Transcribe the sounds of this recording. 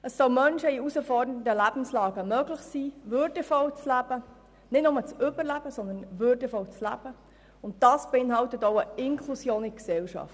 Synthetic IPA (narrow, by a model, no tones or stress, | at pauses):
əsːɔlmœnʃəiusəfɔɾdənədəlæb̥n̩slɑːɡəmœːɡlɪχsiːvʏɾdəfɔwt͡slæb̥ə | nɪtnʊmət͡sʏbəɾlæb̥əsɔnd̪ənvʏɾdəfɔwt͡slæ̰b̥ə | ʊnt̚d̥ɑːsb̥ɛɪnɦɑltətoʊəɪŋkʰlusjoːniksɛwʃɑ̰ft